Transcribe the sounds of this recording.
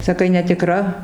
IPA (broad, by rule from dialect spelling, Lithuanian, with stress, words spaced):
sɐˈkɐɪ nʲɛtʲɪˈkrɐ